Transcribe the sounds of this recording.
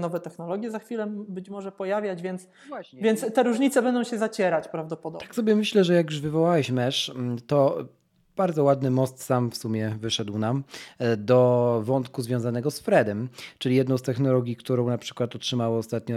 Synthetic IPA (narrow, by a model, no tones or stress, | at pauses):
nɔvɛt̪ɛxnɔlɔɡʲjɛzaxfʲilɛbɘt͡ɕmɔʐɛpɔjavʲjad͡ʑvʲjɛnt̪s | vʲjɛnt̪st̪ːɛɾuʐɲit̪sɛbɛnd̪ɔ̃w̃ɕɛzat͡ɕɛɾat͡ɕpɾavd̪ɔpɔd̪ɔt̪ḁksɔbʲjɛmɘɕlɛʐɛjak̬juʐvɘvɔwawɛɕmɛʂt̪ɔ | b̥aɾd̪zɔwad̪nɘmɔst̪samfsumʲjɛvɘʂɛd̪wnamd̪ɔvɔnt̪kuzvʲjɔ̃w̃zanɛɡɔsfɾɛd̪ɛmt͡ʂɘijɛd̪nɔ̃w̃st̪ɛxnɔlɔɡʲjikt̪uɾɔ̃w̃napʂɘ̥kwat̪ɔtʂɘmawɔɔst̪at̪̚ɲɔ